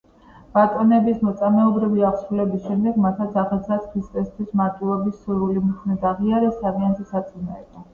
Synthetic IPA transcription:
b̥at̪ʼɔnɛbismɔt̪sʼamɛɔbɾiviaʁsɾulɛbisʃɛmd̪ɛɡmat̪ʰat̪sʰaʁɛzlat̪skʰɾist̪ʼɛst̪ʰwismaɾt̪ʼwivɛbisːuɾulimiχʰnɛd̪aʁiaɾɛsavianzʰisat̪sʼunaɛd̪a

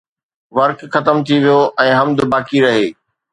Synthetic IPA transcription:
ʋɐɾkxɐt̪əmt̪ʰiʋijoʔɛ̃ːɦɐmd̪ʊbaːkiɾɐɦeː

